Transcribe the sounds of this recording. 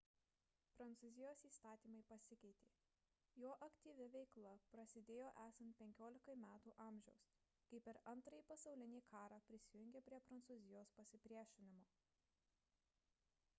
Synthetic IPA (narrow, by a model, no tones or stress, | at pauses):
pɾɐnt̪suːzʲɪjoːsiːst̪ɑːt̪ʲiːmɐɪpɐsʲɪkʲɛɪt̪ʲeː | joːʔɐkʲt̪ʲiːʋʲɪʋʲɛɪklˠɐpɾɐsʲɪd̪ʲeːjoːʔæːsɐnt̪̚pʲɛŋʲkʲoːlʲɪkɐɪmʲæːt̪uːʔɑːmʲʒʲɛʊs | kɐɪpʲɛɾɐnˑt̪ɾɐjipɐsɒʊlʲɪnʲiːkʰɑːɾɑːpʲɾʲɪsʲɪjʊŋʲɡʲɛpʲɾʲiɛpɾɐnt̪suːzʲɪjoːspɐsʲɪpʲɾʲiɛʃʲɪnʲɪmoː